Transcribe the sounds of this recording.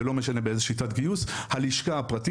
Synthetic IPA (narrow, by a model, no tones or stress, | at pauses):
elo̞meʃane̞beezeʃitatɡijushaliʃkaːpʁati